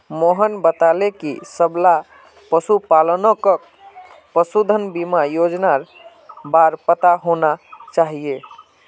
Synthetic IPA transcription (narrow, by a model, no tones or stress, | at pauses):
moɦənbət̪alekisəbla | pəsupalənɔkə | pəsud̪ʱənbimajod͡ʒnaɾ | baɾpət̪aɦonat͡ʃaɦie